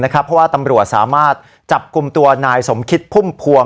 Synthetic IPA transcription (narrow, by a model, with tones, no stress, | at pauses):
na˦˥kʰa˦˥pʰːɔ˦˥waː˥˩t̪a˧mɾu˨˩ət̪̚sa̰ː˩˦maː˥˩t̪̚ | t͡ɕa˨˩p̚ku˧mt̪u˧ɐnaː˧jso˩˦mkʰi˦˥t̪̚pʰu˥˩mpʰu˧ə